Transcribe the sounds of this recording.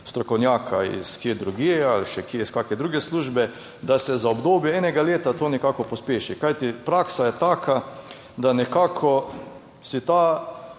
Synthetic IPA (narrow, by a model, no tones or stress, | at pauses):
st̪ɾɔkɔwnjaːkʰaḭskjeːd̪ɾuɡealʃɛkjeiskaːkɛd̪ɾuːɡɛsluːʒbɛ | d̪asɛzaobd̪oːbjɛɛːnɛɡaleːt̪at̪oːnɛkakɔpɔspeːʃikajt̪ipɾaːksajɛt̪aːkʰa | d̪anɛkaːkʰɔ | sit̪aː